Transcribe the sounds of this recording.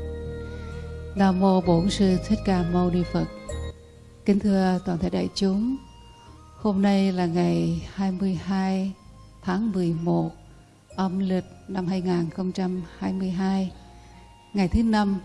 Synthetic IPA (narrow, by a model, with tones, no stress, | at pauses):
naː˧˩mo˧ɓo˨˦nsɨ˧t̪ʰe˦˥t̚kaː˧˩mə˧wni˧fə˨˩t̚ | kï˨˦ŋ̟t̪ʰɨ˧ət̪waː˨˩nt̪ʰa̰˧˩jɗa̰ː˧˨jt͡ɕʊ˨˦ŋ͡m | ho˧mna˧jlaː˨˩ŋa˨˩jhaː˧jmɨ˧əjhaː˧j | t̪ʰaː˨˦ŋmɨ˨˩əjmo˨˩t̚ | ʔə˨˦mli˨˩t̚na˧mhaː˧jŋaː˨˩nxə˧wŋ͡mt͡ɕa˧mhaː˧jmɨ˧əjɦaː˧j | ŋa˨˩jt̪ʰɨ˨˦na˧m